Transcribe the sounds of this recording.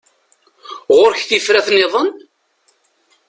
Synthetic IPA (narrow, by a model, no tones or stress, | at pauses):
ʁʊɾçθifɾæθnɪðˤən